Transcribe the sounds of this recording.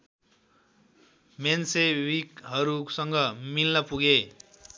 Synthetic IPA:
mensewikɦʌɾusʌŋɡʌmilnʌpuɡe

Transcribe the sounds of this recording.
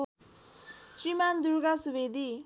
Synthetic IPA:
sɹimand̪uɾɡasubed̪i

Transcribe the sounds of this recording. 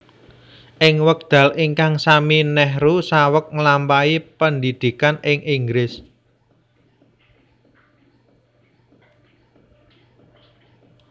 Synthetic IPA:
ʔɪŋwək̚d̪̥ä̤liŋkaŋsaminɛhɾusawək̚ŋəlampaipənd̪id̪̥i̤kanɪŋʔiŋɡɾɪs

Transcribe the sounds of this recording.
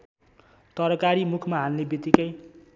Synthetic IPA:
t̪ʌɾʌkaɾimukʰmaɦalnebit̪ikʌj

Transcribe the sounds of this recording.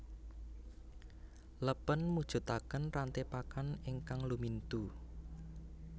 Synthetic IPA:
ləpənmud̥ʒ̥ṳt̪akənrant̪epakanɪŋkaŋlumint̪u

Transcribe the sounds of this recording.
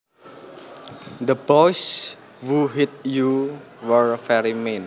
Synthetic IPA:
d̪əbɔjs | wuɦit̪̚juwərfɛɾimen

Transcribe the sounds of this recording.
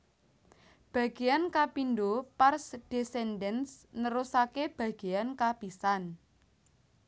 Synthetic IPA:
b̥ä̤ɡ̥e̤jankapindoparsd̥esɛndɛnsnəɾusakeb̥ä̤ɡ̥e̤jankapisan

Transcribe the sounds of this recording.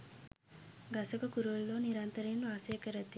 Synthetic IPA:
ɡasokəkuɾuʋlːoːniɾant̪əɾenʋaːsejəkəɾət̪ːi

